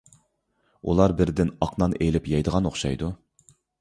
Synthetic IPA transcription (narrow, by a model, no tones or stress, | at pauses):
ṵlˠɑɾbɪɾd̪ɪnɑqnɑnelɪpjɑjd̪əʁɑnoχʃɑ̰jd̪u